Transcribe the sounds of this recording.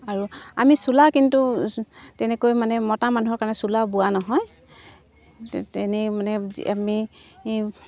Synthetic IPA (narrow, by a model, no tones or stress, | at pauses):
aɹuamisulakintutɛnɛkojmanɛmɔtamanuɦɔɹkaɹnɛsulabuwanɔɦɔj | ɛnemanɛ̰ami